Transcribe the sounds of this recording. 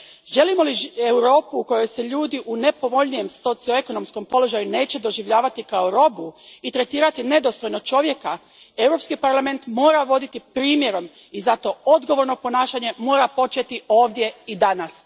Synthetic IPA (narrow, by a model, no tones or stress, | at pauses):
ʒe̞limo̞liewɾo̞ːpuuko̞jo̞jseʎuːd̪iʔune̞po̞ʋo̞ʎnije̞mso̞t̪sio̞e̞ko̞no̞msko̞mpo̞lo̞ʒajune̞ːt͡ɕe̞d̪o̞ʒiʋʎaːʋat̪ikaoɾo̞buit̪ɾe̞t̪iːɾat̪ine̞d̪o̞st̪o̞jnot͡ʃo̞ʋje̞ka | e̞wɾo̞pskipaɾlame̞nt̪mo̞ːɾaʋo̞d̪it̪ipɾiːmje̞ɾo̞m | izat̪o̞o̞d̪ɡo̞ʋo̞ɾno̞po̞naːʃaɲe̞mo̞ːɾapo̞t͡ʃet̪io̞ːʋd̪je̞id̪anas